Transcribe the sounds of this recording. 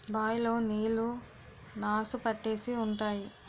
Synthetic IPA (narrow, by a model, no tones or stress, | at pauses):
baːjlo̞ːniːlu | naːsupɐʈːe̞ːsiuɳʈaːji